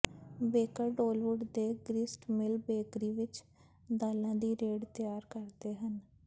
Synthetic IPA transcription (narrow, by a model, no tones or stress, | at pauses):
beːkəɾɖoːlʋʊɖd̪eːɡɾɪsʈmɪlbeːkɾiːʋɪt͡ʃ | d̪aːlãːd̪iːɾeːɖt̪jaːɾkəɾd̪eːɦən